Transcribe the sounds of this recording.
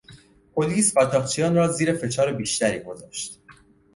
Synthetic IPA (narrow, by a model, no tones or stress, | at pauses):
pʰo̞liːspæːt̪ʰɒːχt͡ʃʰijɒːnrɒːziːɾe̞fe̞t͡ʃʰɒːɾebiːʃt̪æɾḭːɡo̞zɒ̰ːʃt̪